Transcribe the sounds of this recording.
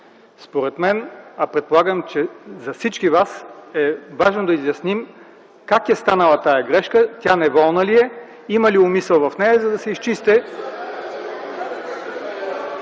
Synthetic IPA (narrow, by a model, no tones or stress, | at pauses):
spoɾɛt̪mɛnɐpɾɛt̪̚polˠaɡəmt͡ʃɛzɐfsit͡ʃkivasɛvaʒnod̪ɐizjɐsnim | kakɛst̪anəlˠɐt̪ajɐɡɾɛʃkət̪ʲanɛvɔlˠnəliɛ | imɐliʊmisɛlˠvɐfnɛjɐzɐd̪ɐsɛist͡ʃist̪ɛ